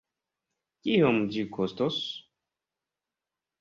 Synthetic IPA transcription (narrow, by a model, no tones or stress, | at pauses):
kiomd͡ʒikʰostos